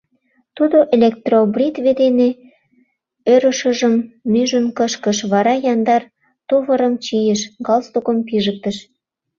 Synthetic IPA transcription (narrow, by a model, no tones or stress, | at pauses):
t̪ud̪oʔelʲek̚t̪robrit̪βed̪ene | øɾə̆ʃə̆ʒəmːyʒənkəʃkəʃβɑɾɑjɑnd̪ɑr | t̪ovə̆ɾəmt͡ɕijəʃɡɑlst̪okəmpiʒək̚t̪əʃ